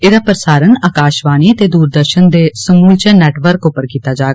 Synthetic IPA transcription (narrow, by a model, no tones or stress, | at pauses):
eːd̪aːpɾəsaːɾənaːkaːʃbaːniːət̪eːd̪uːɾd̪əɾʃənd̪eːsəmuːlt͡ʃənɛːʈʋəɾkʊpːəɾkiːt̪aːd͡ʒaː